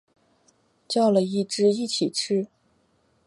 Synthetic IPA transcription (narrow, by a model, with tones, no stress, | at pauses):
t͡ɕjɑ˥˩ʊlə˨i˥˩ʈ͡ʂɻ̩˥˧i˥˩t͡ɕʰi˨˩ʈ͡ʂʰɻ̩˥